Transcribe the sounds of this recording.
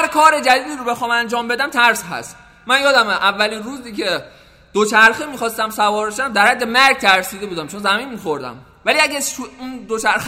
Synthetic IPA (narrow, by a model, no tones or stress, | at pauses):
hæɾkʰɒːɾe̞d͡ʒæd̪iːd̪iːɾobe̞xɒːmænd͡ʒɒːmbe̞d̪æmt̪ʰæɾsɦæ̰st̪ | mænjɒːd̪æmʔævːæliːnruːziːkʰe̞ | d̪̥ot͡ʃʰæɾximiːxɒːst̪æmsævɒːɾeʃd̪æmd̪æɾhæd̪ːe̞mæɾɡ̚t̪ʰæɾsiːd̪e̞buːd̪æmt͡ʃʰonzæminmiːxo̞ɾd̪æ̰m | væliæɡʲæʃuund̪ot͡ʃʰæɾx